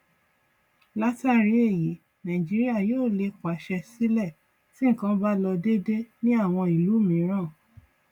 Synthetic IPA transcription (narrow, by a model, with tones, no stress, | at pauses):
la˦ta˦ɾi˧˦e˦˨ji˨˦ | nã˨ĩ˨d͡ʒi˦ɾi˦a˦˨joː˦˨le˧kwa˨˦ʃɛ˧si˦lɛ˦˨ | sĩ˦ŋ̩˦˨kã˦ba˦lɔ˧de˦de˦nĩ˦a˦˨w̃ɔ̃˧i˨lu˨˦mĩ˨˦ɾ̃ã˦˨